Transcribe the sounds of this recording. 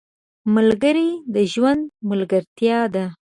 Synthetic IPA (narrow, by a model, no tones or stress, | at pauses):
malɡəɾid̪əʒwand̪malɡəɾt̪jɑd̪a